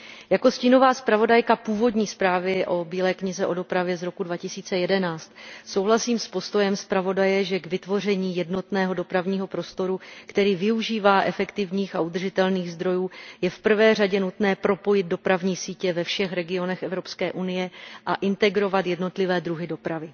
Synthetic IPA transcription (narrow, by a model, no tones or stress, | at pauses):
jako̞sciːno̞vaːspɾavo̞dajkapuːvo̞dɲiːspɾaːvɪʔo̞biːlɛːkɲɪzɛʔo̞do̞pɾavjɛzɾo̞kudvacɪsiːt͡sɛjɛdɛnaːt͡st̪so̞wɦlasiːmspo̞st̪o̞jɛmspɾavo̞dajɛʒɛɡvɪt̪vo̞rɛɲiːjɛdno̞t̪nɛːɦo̞do̞pɾavɲiːɦopɾo̞st̪o̞ɾukt̪ɛɾiːvɪuʒiːvaːʔɛfɛkt̪ɪvɲiːxaud̪r̩ʒɪt̪ɛlniːɣzd̪ɾo̞juːjɛfpr̩vɛːr̝aɟɛnut̪nɛːpɾo̞po̞jɪd̪̚do̞pɾavɲiːsiːcɛvɛfʃɛxɾɛɡɪo̞nɛxɛvɾo̞pskɛːʔunɪjɛʔaʔɪnt̪ɛɡɾo̞vat̪jɛdno̞t̪lɪvɛːd̪ɾuɦɪdo̞pɾavɪ